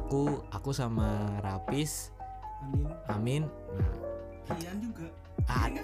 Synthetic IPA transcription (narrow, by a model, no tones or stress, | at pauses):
kuakusamaɾapɪs | amɪnna̰ | ɡ | a